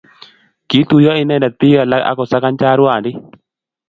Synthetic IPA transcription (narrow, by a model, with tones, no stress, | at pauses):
ki˨˦t̪u˨jɔ˦ɪ˨nɛ˦nɛ˨t̪i˦ɡa˨la˦a̰˦kɔ˨sa˦ka˦nt͡ʃa˦ɾwa˨ndɪ˦